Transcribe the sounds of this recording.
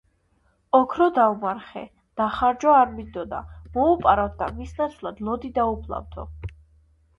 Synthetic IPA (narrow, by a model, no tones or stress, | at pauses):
ɔkʰɾɔd̪aumaɾχɛ̰ | d̪̥aχaɾd͡ʒɔaɾmind̪ɔd̪a̰mɔupʼaɾat̪̚d̪a̰misnat̪sʰwlˠad̪lˠɔd̪id̪aupʰlˠa̰vd̪ʰɔ̰